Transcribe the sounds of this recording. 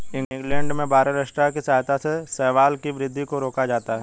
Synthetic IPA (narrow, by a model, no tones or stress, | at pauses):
ɪ̃ŋɪ̃ŋɡlɛ̃ːɳɖmẽbaːɾəɾaʃʈɾakisaːɦjt̪asesɛːʋaːlkiʋɾɪd̪ʱːikoɾoːkad͡ʒaːt̪aɦɛː